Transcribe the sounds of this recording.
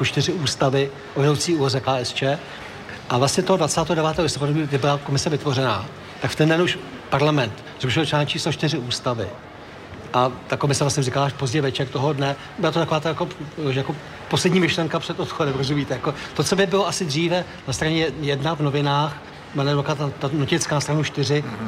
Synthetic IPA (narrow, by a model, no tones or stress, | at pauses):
ut͡ʃt̪ɪrɪuːst̪avɪ | ʔovɛɾowt͡siːuːlozɛkaːɛst͡ʃɛː | ʔavlastɲɛt̪oɦodvatt͡saːt̪ɛːɦodɛvaːt̪ɛːɦolɪst̪opaduviɪbɪlako̞mɪsɛvɪt̪vo̞rɛnaː | t̪akft̪ɛndɛnuʃpaɾlamɛnt̪ | zɾuʃɪlt͡ʃaːɲt͡ʃiːslot͡ʃt̪ɪrɪuːst̪avɪ̰ | ʔat̪ako̞mɪsɛvlasɲɛrikalaaʃpo̞zɟɛjvɛt͡ʃɛrt̪oɦodnɛ | bɪlat̪ot̪akovaːt̪ajakoʒjako | poslɛdɲiːmɪʃlɛŋkapr̥ɛt̪ot̪xodɛmpɾot̪oʒɛviːt̪ɛjako̞t̪o̞t͡so̞bɪbɪloʔasɪd̪riːvɛ | nast̪ɾaɲɛjɛdnavnovɪnaːx | manɛlokat̪at̪anocɪt͡skaːnast̪ɾanuʃt̪ɪrɪ